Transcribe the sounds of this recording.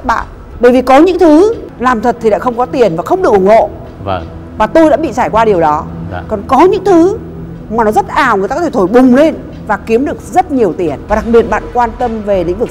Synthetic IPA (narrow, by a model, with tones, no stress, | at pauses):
ɓa̰ː˧˨n | ɓəː˧˩jvi˨˩kɔ˨˦ɲɨ̰˧˥ŋt̪ʰɨ˨˦ | laː˨˩mt̪ʰə˨˩t̪ʰi˨˩ɗa̰ː˧˥xə˧wŋ͡mkɔ˨˦t̪i˨˩ənvaː˨˩xə˧wŋ͡mɗɨ˨˩ək̚ʔʊ˧˩ŋ͡mho̰˧˨˧ | vaː˨˩t̪o˧jɗa̰ː˧˥ɓḭ˧˨saː˧˩jkwaː˧ɗi˨˩əwɗɔ˨˦kɔ˨˩nkɔ˨˦ɲɨ̰˧˥ŋt̪ʰɨ˨˦ | maː˨˩nɔ˨˦zə˦˥t̚ʔaː˨˩wɨ˨˩jta˧˨˧e˧˩t̪ʰo˧˩jɓʊ˨˩ŋ͡mle˧n | vaː˨˩ki˨˦əmɗɨ˨˩ək̚zə˦˥t̚ɲi˨˩əwt̪i˨˩ənvaː˨˩ɗa˨˩k̚ɓi˨˩ət̚ɓa̰ː˧˨nkwaː˧nt̪ə˧mve˨˩lḭ˧˥ŋ̟vɨ˨˩k̚